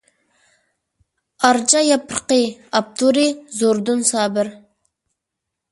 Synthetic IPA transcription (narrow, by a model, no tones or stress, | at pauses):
ɑɾd͡ʒɑjɑpʰəɾqɨɑp̚t̪ʰuɾizoɾd̪unsɑːbɪɾ